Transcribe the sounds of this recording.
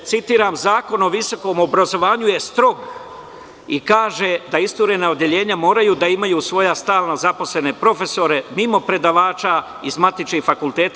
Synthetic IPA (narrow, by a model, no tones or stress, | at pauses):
t̪sit̪iːɾamzaːko̞no̞ʋiso̞ko̞ːmo̞bɾazo̞ʋaːɲuje̞st̪ɾo̞ɡ | ikaːʒed̪aist̪uɾe̞naod̪je̞ʎe̞ːɲamo̞ːɾajuːd̪aimajuːsʋo̞jast̪aːlnazapo̞sle̞ne̞pɾo̞fe̞so̞ɾe̞mimo̞pɾe̞d̪aʋaːt͡ʃa | izmat̪it͡ʃkixfakulˠt̪eːt̪